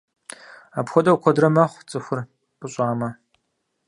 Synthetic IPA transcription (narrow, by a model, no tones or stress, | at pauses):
apxʷɔdʼɐwkʷʰɔdrɐmɐχʷt͡sʼɨxʷʊr | pʼɨɕʼaːmɐ